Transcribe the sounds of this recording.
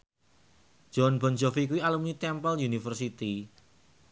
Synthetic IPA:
d͡ʒ̥ɔ̤nbɔ̤nd͡ʒɔfik̬uwialumɲit̪ɛmpəljunifərsit̪i

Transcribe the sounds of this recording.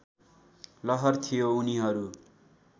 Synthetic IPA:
lʌɦʌrt̪ʰijouniɦʌɾu

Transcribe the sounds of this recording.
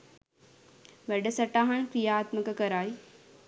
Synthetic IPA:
ʋɐɖəsɐʈaːɦaɳkɾijaːt̪məkəkɐɾaːi

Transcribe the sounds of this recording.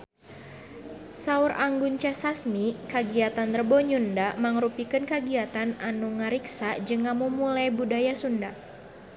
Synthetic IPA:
sauɾʔaŋɡuɲt͡ʃasasmikaɡiat̪anrəbɔɲundamaŋɾupikɨnkaɡiat̪ananuŋəɾiksad͡ʒɨŋːamumulajbudajasunda

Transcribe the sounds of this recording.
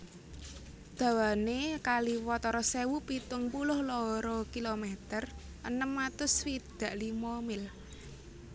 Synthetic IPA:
d̪̥ä̤wanekaliwɔt̪ɔɾɔsewupit̪ʊŋpulʊhlɔɾɔkilomɛt̪ər | ʔənəmːat̪ʊswid̪̥ä̤ʔlimɔmɪl

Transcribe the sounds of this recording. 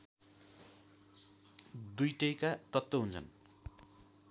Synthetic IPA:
d̪ujʈʌjkat̪ʌt̪ːʌɦunt͡sʰʌ̰n

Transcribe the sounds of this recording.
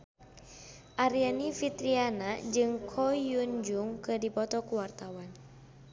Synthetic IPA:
ʔaɾianifit̪ɾianad͡ʒɨŋkʰɔjund͡ʒuŋkədipɔt̪ɔkuwart̪awan

